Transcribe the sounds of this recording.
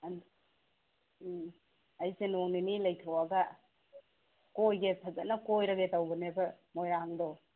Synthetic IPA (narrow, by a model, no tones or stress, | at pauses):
ɐjsenoŋninilɐjtʰawaɡa | kojɡetʰɐzɐtnɐkojɾɐɡetawbɯnebɐmojɾaŋdɔ